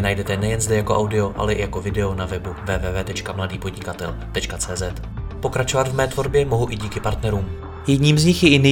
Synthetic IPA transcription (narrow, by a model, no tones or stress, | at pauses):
najdɛt̪ɛnɛjɛnzdɛjako̞ʔawdɪo̞ʔa̰lɛʔɪjako̞vɪdɛo̞navɛbuvɛːvɛːvɛːt̪ɛt͡ʃkamladiːpo̞d̪ɲɪkat̪ɛ̰lt̪ɛt͡ʃkat͡sɛːzɛt̪ | po̞kɾat͡ʃovat̪vmɛːt̪vo̞ɾbjɛmo̞ɦuʔɪɟiːkɪpaɾt̪nɛɾuːm | jɛdɲiːmzɲɪxjɛɪnɪ